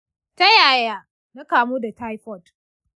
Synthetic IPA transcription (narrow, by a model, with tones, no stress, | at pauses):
ta˦jaː˨jaː˦ | na˦kaː˨muː˦da˨ta˦jɸɔ˦˨t